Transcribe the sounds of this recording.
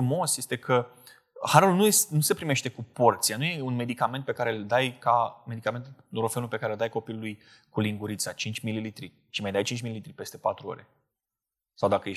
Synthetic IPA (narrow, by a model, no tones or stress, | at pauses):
umo̞sje̞st̪e̞kʰə | haɾulnujesnuse̞pɾime̞ʃt̪ekupo̞rt̪sijanuje̞unme̞d̪ikame̞nt̪̚pe̞kaɾe̞ld̪ajkame̞d̪ikame̞nt̪ud̪oɾofe̞nulpe̞kaɾe̞ld̪ajko̞pilulujkuliŋɡuɾit̪sat͡ʃint͡ʃʲmililit̪ɾi | ʃimajd̪ajt͡ʃint͡ʃmililit̪ɾipe̞st̪e̞pat̪ɾuo̰ɾe | sawd̪akəje